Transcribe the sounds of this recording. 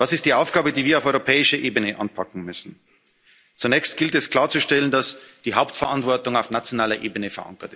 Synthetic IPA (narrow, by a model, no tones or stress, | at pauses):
vasɪst̚d̥iːʔaʊfɡ̥aːbədiːviːɐaʊɔʏʁopʰɛːɪʃɐʔeːbənəʔa̰npʰakŋ̩mʏsn̩ | t͡sunɛːçst̚ɡ̥ɪltɛskl̥aːɐt͡suʃtɛləndasd̥iːɦaʊptfɛɐʔantv̥ɔɐtʊŋaʊfnat͡sjonaːlɐʔeːbənəfɛɐʔa̰ŋkɐt